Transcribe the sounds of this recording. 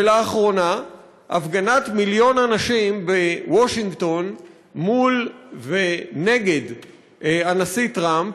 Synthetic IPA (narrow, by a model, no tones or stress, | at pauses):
elaːχʁo̞na | ʔa̰fɡanat̪miljo̞nanaʃimbewoʃiŋɡto̞n | mulvene̞ɡe̞d | anasitʁamp